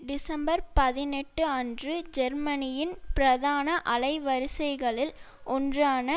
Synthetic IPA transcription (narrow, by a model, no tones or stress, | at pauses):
ɖɪsɐmbɐɾpɐðɪnɛʈːɯɐndrɯd͡ʒɛɾmɐnɪjɪnpɪɾɐðaːnɐʔɐlɐɪʋɐɾɪsɐɪɣɐɭɪl | ʔɔndraːnɐ